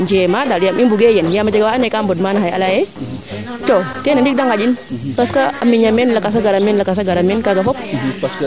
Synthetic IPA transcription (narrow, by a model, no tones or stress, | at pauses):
ɲd͡ʒemadaljamiŋbuɡejɛnjamad͡ʒaɡawaanakambɔtmanaɦaja̰laje | t͡ʃokenandik̚daŋad͡ʒinpaskaəmiɲamɛnləkas̬aɡaɾamɛnlakas̬aɡaɾamɛnkaɡafɔp̚